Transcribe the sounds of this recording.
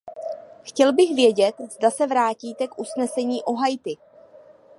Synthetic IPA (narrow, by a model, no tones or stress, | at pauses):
xcɛlbɪxvjɛɟɛt̪zdasɛvɾaːciːt̪ɛkʔusnɛsɛɲiːʔo̞ɦajt̪ɪ